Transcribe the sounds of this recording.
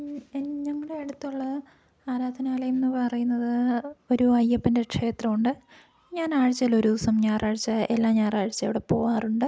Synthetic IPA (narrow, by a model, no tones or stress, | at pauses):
ɲɐŋːɐɽeeɽut̪ːuɭːɐ | aːɾaːd̪ʱɐnaːlɐjumnːɨpɐrɐjunːɐðɨo̞ɾuɐjːɐpːindekʂe̞ːt̪rɐmuɳɖɨ | ɲaːnaːɻt͡ɕːɐlo̞ɾusɐmɲaːraːɻt͡ɕːɐelːaːmɲaːraːɻt͡ɕːɐjo̰ɽepo̞ːʋaːruɳɖɨ